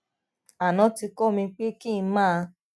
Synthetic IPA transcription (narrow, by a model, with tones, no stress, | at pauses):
a˨nã˨˦ti˧kɔ˦mĩ˧k͡pe˦kĩ˦˨˧mãː˦˧